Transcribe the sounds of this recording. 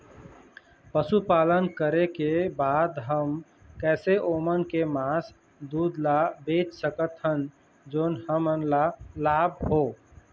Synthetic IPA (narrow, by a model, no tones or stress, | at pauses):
pəsupaːlənkəɾekebaːd̪ɦəm | kɛːseʔoːmənkemaːs | d̪uːd̪labeːt͡ʃsəkət̪ɦən | d͡ʒoːnhəmənlalaːbɦoː